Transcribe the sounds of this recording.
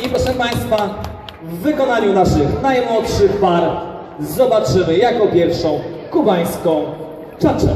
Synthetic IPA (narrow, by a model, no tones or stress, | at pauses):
ipɾɔʂɛ̃paj̃st̪fa | vːɘkɔnaɲunaʂɘxnajmwɔt̪ʂɘpaɾ | zɔbat͡ʂɘmɘjakɔpʲjɛɾfʂɔ̃w̃kubaj̃skɔ̃w̃ | t͡ʂat͡ʂɛ̰